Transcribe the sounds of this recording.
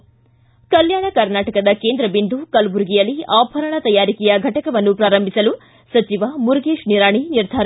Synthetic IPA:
kɐljaːɳɐkɐɾnaːʈɐkɐd̪ɐkeːnd̪ɾɐbind̪ukɐlbuɾɡijɐlːiaːbʱɐɾɐɳɐt̪ɐjaːɾikɛjɐɡʱɐʈɐkɐʋɐnːupɾaːɾɐmbʱisɐlu | sɐt͡ʃiʋɐmuɾɡeːʂniɾaːɳiniɾd̪ʱaːɾɐ

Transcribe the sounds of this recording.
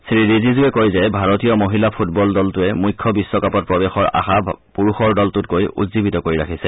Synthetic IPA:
sɹidizizuɛkojzɛbʱaɹotijɔmoɦilapʰut̚bɔldɔltʊɛmujkʰːɔbisːɔkapɔt̚pɹɔbɛxɔɹa̰xapuɹuxɔɹdɔltʊt̚kojʔṵtzibitɔkoɹiɹakʰisɛ

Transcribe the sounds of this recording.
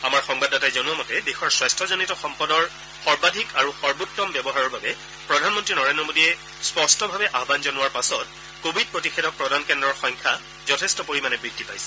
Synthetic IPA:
amaɹxɔŋbadːatajzɔnʊamɔtɛdexɔɹswajstʰɔzonitɔxɔmpɔdɔɹ | xɔɹbadʱikaɹuxɔɹbuk̚tːɔmbɛbɔɦaɹɔɹbabɛ | pɹɔdʱanmɔntɹinɔɹendɹɔmodiɛ | spɔstʰɔbʱabɛʔabanzɔnʊwaɹpasɔt̚ | kobʱid̚pɹotixɛdʱɔk̚pɹɔdʱankɛndɔɹxɔjŋkʰa | zɔtʰɛstɔpoɹimanɛbɹidʱːipa̰jsɛ̥

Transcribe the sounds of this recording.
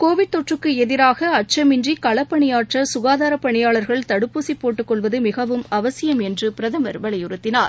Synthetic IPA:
koːʋɪʈ̚t̪ɔʈrɯkːɯɛðɪɾaːɣɐɐʈ̚t͡ʃːɐmɪɲd͡ʒikɐɭɐpːɐɳɪjaːʈrɐsʊɣaːðaːɾɐpːɐɳɪjaːɭɐɾɣɐɭt̪ɐɽɯpːusipːoːʈːɯkːɔɭʋɐðɯmɪɣɐʋɯmɐʋɐsɪjɐmɛndrɯpɪɾɐðɐmɐɾʋɐɭɐjʊɾɯt̪ːɪnaːɾ

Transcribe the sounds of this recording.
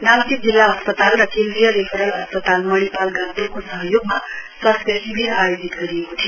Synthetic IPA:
nalt̪ik̚d͡zilːaɐspət̪alɾəkʰẽnd̪ɾijəɾekʰəɾəlɐspət̪alməɽ̃ipalɡant̪uɾkosəɦəjoɡmasʋaspesibiɾajod͡ʒit̪ɡəɾijekoʈ̪ʰi

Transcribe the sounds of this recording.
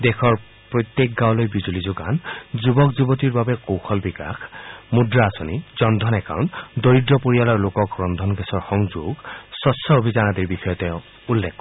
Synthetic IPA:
dɛxʰɔɹ | pɹojt̪jek̚ɡawlojbizulizʊɡa̰nzubɔkzubɔtiɹbabɛkowxɔlbika̰xmudɹaːsonizɔnd̪ʱɔnɛka̰wntdoɹidɹɔpoɹijalɔɹlokɔkɹɔnd̪ʱɔnɡɛsɔɹxɔŋzuɡsɔsɔobʱizanatiɹbixɔjɔtɛ | ulːɛkːɔ

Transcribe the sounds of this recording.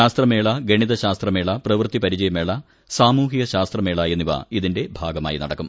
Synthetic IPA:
aːst̪rɐme̞ːɭɐɡeɳiðɐɕaːst̪rɐme̞ːɭɐprɐʋrt̪ipɐɾid͡ʑɐjɐme̞ːɭɐ | saːmuːɦiɡɐɕaːst̪rɐme̞ːɭaːjenːiʋɐ̰iðinde̞bʱaːɡɐma̰ːjinɐ̰ɽɐkːum

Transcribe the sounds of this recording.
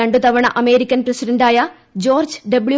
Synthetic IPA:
ɐɳɖut̪ɐʋɐɳɐʔɐme̞ːɾikʲːɐnprɐsiɖɐnɖaːjɐ | d͡ʑo̞ːrd͡ʑɖɐbɭju

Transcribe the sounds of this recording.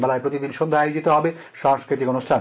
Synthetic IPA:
bɛlaepɾot̪id̪inʃond̪ʱaajod͡ʑit̪oɦɔbe | ʃaŋskɾit̪ikonusʈʰan

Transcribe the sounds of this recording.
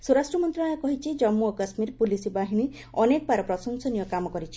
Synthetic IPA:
suɾasʈɾɔmɔnt̪ɾɔɽ̃ɔjɔkɔɦit͡ʃʰid͡ʒɔmːuɔkɔsmiɾpulisibaɦiɽ̃i | ɔnekɔbaɾɔpɾɔsɔŋsɔnijɔkamɔkɔɾit͡ʃʰi̥

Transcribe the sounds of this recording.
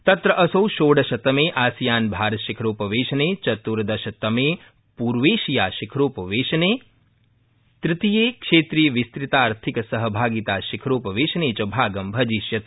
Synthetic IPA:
t̪ɐt̪ɾɐʔɐsowʃoːɽɐʃɐt̪ɐmeːʔaːsjaːnbʱaːɾʃikʰɾoːpɐʋeːʃɐneːt͡ʃɐt̪ːuɾɐd̪ɐʃɐt̪ɐmeː | puːɾʋeːʃijaːʃikʰɾoːpɐʋeːʃɐneː | t̪ɾɪt̪ijeːkʃeːt̪ɾiːjʋist̪ɾit̪aːɾt̪ʰikɐsɐɦɐbʱaːɡit̪aːʃikʰɾoːpɐʋeːʃɐneːt͡ʃɐbʱaːɡɐmbʱɐd͡ʒiʃjɐt̪

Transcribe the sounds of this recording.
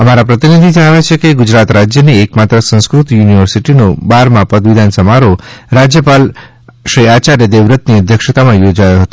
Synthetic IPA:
əmaɾapɾət̪inid̪ʱid͡ʒəɳaʋjat͡ʃʰekeɡʊd͡ʒɾat̪ɾad͡ʒjəniekmat̪ɾəsə̃nskɾut̪juniʋəɾsiʈinobaɾmãpəd̪ʋid̪ʱansəmaɾoɾad͡ʒjəpal | ʃɾiat͡ʃaɾed̪eʋɾət̪niəd̪ʱjəkʃət̪amãjod͡ʒajoɦət̪o

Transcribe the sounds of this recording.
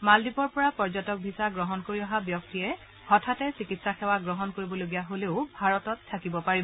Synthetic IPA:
maldipɔɹpɔɹapɔɹzɔtɔk̚bʱisaɡɹɔɦɔnkoɹiɔɦabjɔktijɛ | hɔtʰatɛsikitsaxʰɛwaɡɹɔɦɔnkoɹibɔloɡijaɦoleʊbʱaɹɔtɔtʰːakibɔpaɹibɔ

